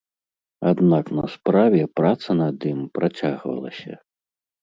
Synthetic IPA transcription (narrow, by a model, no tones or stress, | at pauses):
ad̪naknɐspɾavʲɛpɾat̪sɐnad̪impɾat͡sʲaɣvɐ̰lˠɐ̰sʲɐ̰